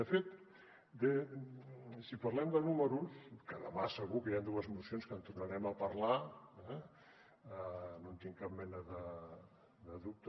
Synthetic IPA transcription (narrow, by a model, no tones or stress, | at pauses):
d̪əfet̪ | d̪e | sipɐɾlɛmd̪ənuməɾuskəðəmasəɣukəjand̪uəzmusionskənt̪urnaɾɛməpɐɾlaɛ | nont̪iŋkap̚mɛnəðə | d̪əðuk̚t̪